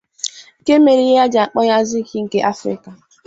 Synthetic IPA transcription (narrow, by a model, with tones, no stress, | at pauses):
ŋ̩˨ke˦me˨ɾi˦je˦a˦d͡ʒa˨a˨k͡pɔ˦ja˦zɪ˦kʰi˦ŋ̩˨ke˦ʔa˦fɾɪ̰˦ka˨